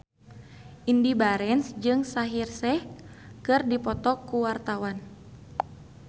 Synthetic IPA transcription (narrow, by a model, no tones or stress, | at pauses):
ʔindibaɾɛnsd͡ʒɨŋsaɦirsɛ | kɨrdipɔt̪ɔkuwart̪awan